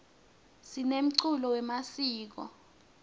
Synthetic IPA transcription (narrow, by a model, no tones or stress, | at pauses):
sinem̩ǀulɔwɛmasiːk̬ɔ̰